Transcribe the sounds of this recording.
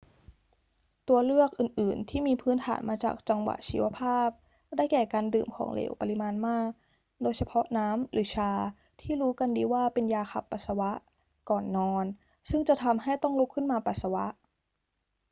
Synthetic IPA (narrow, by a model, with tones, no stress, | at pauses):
t̪u˧ɐlɯ˥˩ək̚ʔɯː˨˩nʔɯː˨˩nt̪ʰiː˥˩miː˧pʰɯː˦˥nt̪ʰa̰ː˩˦nmaː˧t͡ɕa̰ː˨˩k̚t͡ɕa˧ŋwa̰˨˩ʔt͡ɕiː˧wa˧pʰaː˥˩p̚ | da˥˩jkɛː˨˩kaː˧ndɯː˨˩mkʰɔ̰ː˩˦ŋlḛː˩˦wpa˧li˧˥maː˧nmaː˥˩k̚ | doː˧jsʰa˧pʰɔ˦˥ʔnaː˦˥mɾʔɯː˩˦t͡ɕʰaː˧ | t̪ʰiː˥˩ɾuː˦˥ka˧ndiː˧waː˥˩pe˧njaː˧xʰa̰˨˩pːa˨˩sa˧wa˦˥ʔ | kɔː˨˩nːɔː˧n | sɯ˥˩ŋt͡ɕa˨˩t̪ʰa˧mɦa˥˩jt̪ɔ˥˩ŋlo˦˥kʰːɯ˥˩nmaː˧pa˨˩t̪̚sa˧wa̰˦˥ʔ